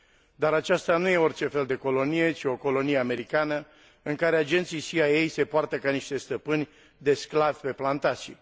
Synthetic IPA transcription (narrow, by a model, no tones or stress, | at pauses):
d̪aɾat͡ʃast̪anuje̞o̞rt͡ʃe̞fe̞ld̪e̞ko̞lo̞nije̞t͡ʃio̞ko̞lo̞nijeame̞ɾikanə | ɨŋkaɾe̞ad͡ʒe̞nt̪sijsiajejse̞poart̪əkaniʃt̪e̞st̪əpɨnʲ | d̪e̞sklavʲpe̞plant̪asʲi